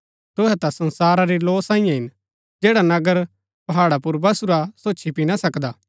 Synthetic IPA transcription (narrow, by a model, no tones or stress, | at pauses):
t̪ʊɦɛt̪asɐ̃nsaːɾaɾiloːsãːĩjãɦɪn | d͡ʒɛːɽanɐɡəɾ | pɐɦaːɽapuɾbɐsuɾasoːt͡ʃʰipinasɐkd̪aː